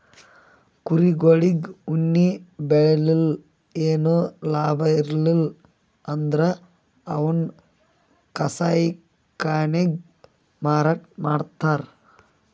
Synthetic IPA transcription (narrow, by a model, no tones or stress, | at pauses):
kuɾiɡoɭiɡunːibeɭɐlil | eːnulaːbʱɐiɾlil | ɐnd̪ɾɐ | ɐʋun | kɐsaːjik | kːaːneɡ | maːɾɐʈ̚maːɽt̪ːaːɾ